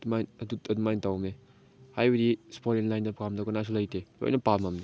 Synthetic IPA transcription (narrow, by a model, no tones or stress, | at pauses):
majnɐdutɐdumajntawmne | hajbedispʰoɾenlajndɐpkamdɐkɔnas̬ulajtʰelo̰jnɐpamamde